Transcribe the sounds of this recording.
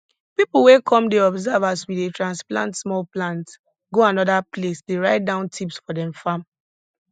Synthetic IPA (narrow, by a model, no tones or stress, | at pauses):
pipl̩wekʰɔ̃mdeɔbzavaswidetɹãnsplã̰ntsmɔlplãnt | ɡoanɔdaplesdeɹaɪt̚dãʊ̃ntʰipsfɔdɛ̃mfãm